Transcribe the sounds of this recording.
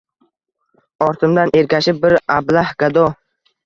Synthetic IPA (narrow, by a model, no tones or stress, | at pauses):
ɒɾt̪ʰɪmd̪anʔe̞ɾkʲʰaʃɪp̚bɪɾablahɡad̪ɔ